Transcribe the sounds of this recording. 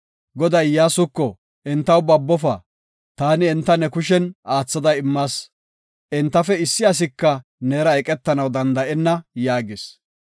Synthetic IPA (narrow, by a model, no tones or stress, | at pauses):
ɡɔd̪ɐjjaːsʊkːɔ | ɛnt̪ːɐwbɐbːɔfɐ | t̪aːnɪɛnt̪ːɐnɛkʊʃ̬ɛnaːt͡sːɐd̪ɐɪmːaːs | ʔɛnt̪ːɐfɛɪsːɪɐs̬ɪkːɐneːɾɐɛkʼɛt̪ːɐnɐwd̪ɐnd̪ɐʔɛnːɐjaːɡɪs